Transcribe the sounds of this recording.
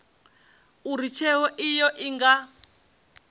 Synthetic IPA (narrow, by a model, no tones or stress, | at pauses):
uɾit͡ʃʰɛwɔʔijɔʔiŋɡa